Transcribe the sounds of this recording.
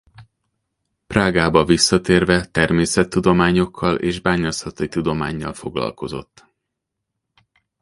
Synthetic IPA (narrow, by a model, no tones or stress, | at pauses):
praːɡaːbɒvisːɒt̪eːrvɛt̪ɛrmeːsɛt̪ːud̪o̞maːɲo̞kʰːɒlḛːʒbaːɲɒsɒt̪oit̪ud̪o̞ma̰ːɲːɒ̰lfo̞ɡlɒ̰lko̞zo̞̰t̪ː